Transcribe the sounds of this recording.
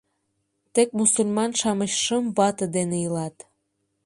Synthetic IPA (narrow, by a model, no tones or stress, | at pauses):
t̪ek̚musulʲmɑnʃɑməɕʃəmβɑt̪əd̪enejəlɑt̪